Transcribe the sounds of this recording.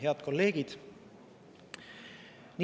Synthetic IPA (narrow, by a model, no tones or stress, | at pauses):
ɦeɑd̪̥ko̞lːe̞ːɡ̥id̪̥ | ni